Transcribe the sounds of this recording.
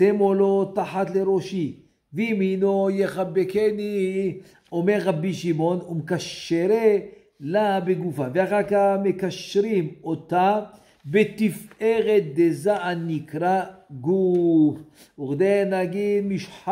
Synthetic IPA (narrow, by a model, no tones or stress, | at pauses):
semolot̪aħat̪leɾo̞ʃi | veiminojeχabekeni | o̞meʁːabiʃimo̞numkaʃeɾe | labeɡufaveaχakaχme̞kaʃɾimot̪a | bet̪ifʔeʁet̪̚d̪ezaʔanːikɾaɡuf | uχd̪enaɡid̪miʃħ